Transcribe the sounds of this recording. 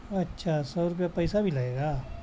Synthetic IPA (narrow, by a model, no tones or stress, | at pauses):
ɐtːʃʰasɔːɾk̬epɐɪsabʱilɐɡeːɡaː